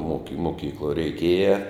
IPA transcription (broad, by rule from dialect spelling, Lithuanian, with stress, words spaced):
moːkʲɪ moːˈkʲiːklˠuɔ rʲɛɪˈkʲeːjɛ